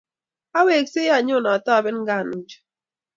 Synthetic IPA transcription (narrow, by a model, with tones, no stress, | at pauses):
a˦we˨kse˦ja˨ɲʊ˦˨na˨tɔ˦a˨bɛ˦n˦ɡa˦˨nu˨d͡ʒ